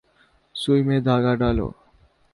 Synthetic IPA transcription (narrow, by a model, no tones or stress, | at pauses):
sujmed̪ʱaɡaɖalo̰